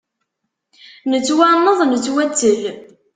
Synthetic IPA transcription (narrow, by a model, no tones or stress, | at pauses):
nət͡sːwaməðˤnət͡sːwæt͡sːəl